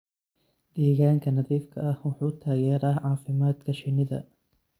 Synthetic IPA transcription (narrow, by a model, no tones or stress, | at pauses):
d̪̥ɛːɣaːŋkʰɐnɐðiːfkʰɐɐhwɑħuːt̪ʰaːjɛːɾaːʕɑːfɪmaːd̪kʰɐʃɪnɪðɐ̰